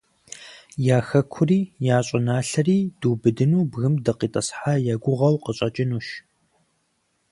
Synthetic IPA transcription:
jaːxɐkʷʰʊriːjaːɕʼɪnaːɬɐriːd̥uːbɨdɨnuːbɣɨmdɐqiːtʼɐ̰sħaːjaːɡʷʊʁɐwqəɕʼɐt͡ʃʼɪnuːʃ

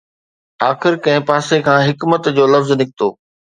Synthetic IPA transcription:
aːxɪɾkɐ̃ɦɪ̃paːsekʰãːɦɪkmət̪d͡ʑoːlɐfznɪkʰɪt̪oː

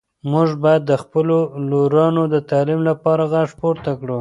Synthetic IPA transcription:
mʊʐbɑjad̪ːəxpəloloɾɑnod̪ət̪ɑlimlapɑɾaɣaʂpoɾt̪akɽu

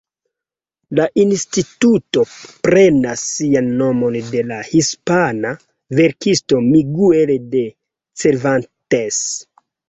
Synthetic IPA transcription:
laʔinstituto̞pɾe̞nasːianːo̞mo̞nde̞lahispana | ve̞ɾkisto̞miɡuelede̞ | se̞ɾvantes

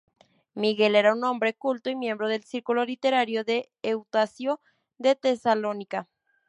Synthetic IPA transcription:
miɣe̞le̞ɾaunːõ̞mbɾe̞kult̪oimje̞mbɾoðelsiɾkulo̞lit̪eɾaɾjoðeː | wt̪asjo | d̪et̪esalonika

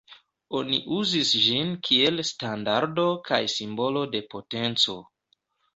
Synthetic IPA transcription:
o̞nḭʔuzisʒinkʰie̞lstandaɾdo̞kajsimbo̞lo̞de̞po̞te̞nt͡so̞

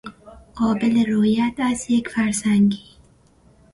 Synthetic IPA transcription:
qɔːbɪleɾojat̪asjekfaɾsaŋɡi

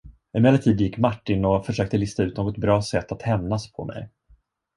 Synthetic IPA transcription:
ɪmɛːlːəʈ̪ʰiːd̪jɪkːmaʈːɪnɔfœʂøːk̚t̪əlɪst̪aʉ̟ːt̪noːɡɔt̪̚bɾɑːsɛt̪ːat̪hɛmnaspʰɔ̰mʔɛ̰j

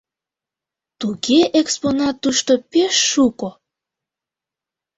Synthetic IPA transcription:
t̪ukeʔeksponɑt̪ːuʃt̪opeʃːuko

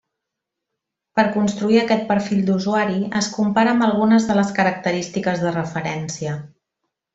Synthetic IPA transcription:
pəɾkunst̪ɾuiəkɛt̪̚pəɾfiʎd̪uzuaɾiəskumpaɾəːmbəlˠɣunəzðələskəɾək̚t̪əɾist̪ikəzðərəfəɾɛnsiə

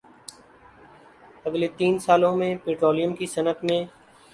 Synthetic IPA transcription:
ɐɡlet̪iːnsaːlõmẽpeːʈɾoːlɪjəmkisɐnət̪mẽː

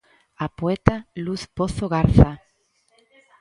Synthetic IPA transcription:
apoet̪aluθpoθoɣaɾθa

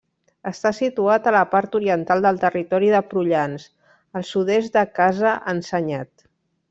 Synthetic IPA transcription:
əst̪asit̪uat̪ələpaɾt̪uɾiənt̪alˠd̪əlˠt̪ərit̪ɔɾiðəpɾuʎans | əlˠsuð̞ɛst̪d̪əkazəʔənsəɲat̪̚

